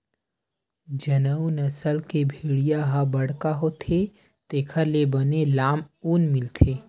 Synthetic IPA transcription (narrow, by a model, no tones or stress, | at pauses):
d͡ʒɐnəunɐsəlkebʱiːɽijaɦabɐɽ̤kaɦot̪ʰe | t̪eːkʰəɾlebənelaːmuːnmɪlt̪ʰeː